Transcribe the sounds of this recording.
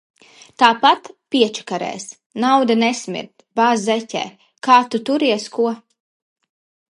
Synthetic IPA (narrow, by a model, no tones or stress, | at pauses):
t̪aːpat̪piɛt͡ʃḁkaɾɛ̰ːs | nawd̪anɛsmʲḭɾt̪baːzzɛtʲɛ̰ː | kaːt̪ut̪uɾiɛskuɔ